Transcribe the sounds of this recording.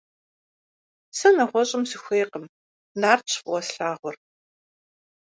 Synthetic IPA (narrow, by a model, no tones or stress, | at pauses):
sɐnɐʁʷɔɕʼɪmsɨxʷeːqəm | naːrt͡ʃʰfʼwɔsɬaːʁʷʊr